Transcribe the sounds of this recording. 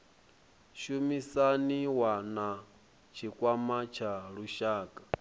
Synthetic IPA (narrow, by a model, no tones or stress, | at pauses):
ʃumisaniwana | t͡ʃʰikʼwamat͡ʃʰaɺuʃaːkʼḁ